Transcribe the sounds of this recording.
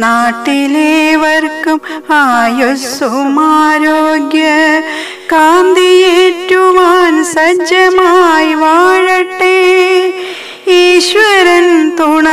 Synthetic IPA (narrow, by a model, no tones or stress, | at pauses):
naːʈileːʋɐɾkɐm | aːjosumaːɾoːɡjɐ | ɡ̥aːnd̪ijeʈjuʋaːnsɐd͡ʒɐmajʋaːɻɐʈːe | iːʃʋɐɾɐnt̪uɳɐ